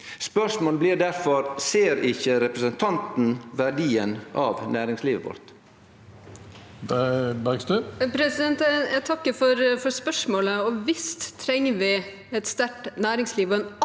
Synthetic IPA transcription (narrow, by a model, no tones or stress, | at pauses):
spœʂmoːləbliːɾd̪æɾfɔɾseːɾɪçəɾɛpɾəsənt̪ʰɑnt̪n̩ʋæɖiːənʔɑːʋnæːɾɪŋsliːʋəʋʊ̰ɾt̪ | d̪ɑksd̪ʉpʰɾɛsɪd̪ɛnt̪æt̪ʰɑkːəfɔɾfɔɾspœʂmoːləɔʋɪst̪t̪ʰːɾɛŋːəʋɪ | ɛt̪st̪æʈnæːɾɪŋsliːʋɔɛn